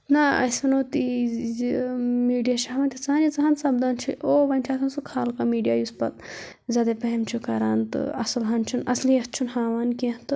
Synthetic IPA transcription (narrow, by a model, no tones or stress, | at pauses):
naɐsɐnoːt̪i | miːɖijaʃaːɦʋɐnt̪ʰit͡saanit͡sɐɦɐnsɐb̚d̪ant͡ʃʰiʔoːʋɐnʲt͡ʃʰaːt̪ʰɐnsukʰaːlkamiːɖijaːjuspɐt̪̚ | zʲaːd̪epɐɦemt͡ʃʰukɐɾaːnt̪ɨ̰ɐ̰sɐlɦɐnt͡ʃʰunɐslijɐst͡ʃʰunhaːʋankẽt̪ɨ